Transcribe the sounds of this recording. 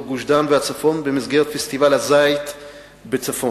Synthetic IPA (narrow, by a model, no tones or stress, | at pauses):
ɡuʃdamvɛat͡safɔnbəmɪzɡɛʁətfɛstivalazaɪt | bət͡safɔ